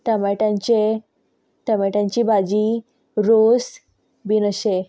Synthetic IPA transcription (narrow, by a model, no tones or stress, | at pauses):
t̪əmɛʈãɲt͡ɕe | t̪əmɛʈãɲt͡ɕibad͡ʑi | ɾos | binəɕe